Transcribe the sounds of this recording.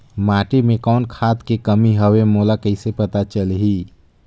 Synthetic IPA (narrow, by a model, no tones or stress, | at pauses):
maːʈimẽkɔːnkʰaːt̪kekəmiɦəwemoːlakəɪsepɐt̪at͡ʃəlɦiː